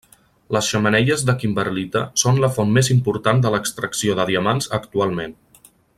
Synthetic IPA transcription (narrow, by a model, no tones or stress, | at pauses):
ləsʃəmənɛʎəzðəkimbəɾlit̪ə̰sonləfɔnmezimpuɾt̪and̪ələkst̪ɾəksioðəðiəmanzəkt̪ualˠmen